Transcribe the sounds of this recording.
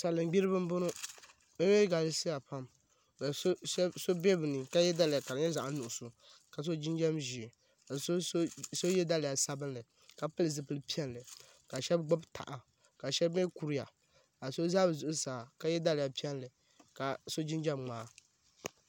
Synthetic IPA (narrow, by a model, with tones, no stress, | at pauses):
sa˨lɨ˨m˦ɡ͡bi˦ɾɨ˦bɨ˦m˦bʊ˦nʊ˦ | ɛ˦we˦ɡa˨lɨ˦si˦ja˨pa˦m | ka˨˦so˦bɛ˦bɨ˨nɨ˨ka˦jɛ˦da˦lɪ˨ja˨ka˨ɾɲɛ˦za˨ʔa˦nʊ˨ʔʊ˨su˨ | ka˨s̬o˦d͡ʒi˦nd͡ʒɛ˦mʒi˨ | ka˨so˦so˦jɛ˦da˦lɪ˨ja˨sa˦bɨ˦nlɨ˨ | ka˨pɨ˦lɨ˨zɨ˨pɨ˦lɨ˦pi˦ɛ˦n˦lɨ˨ | ka˨ʃɛ˦bɡ͡bʊ˦btʰa̰˨ʔa˨ | ka˨ʃɛ˦be˦ku˨ɾi˦ja˨ | ka˨so˦za˦bɨ˨zʊ˨ʔʊ˦saː˨ka˨˦jɛ˦da˦lɪ˨ja˨pi˦ɛ˦nlɨ˨ | ka˨so˦d͡ʒi˦nd͡ʒɛ˦mŋ͡maː˨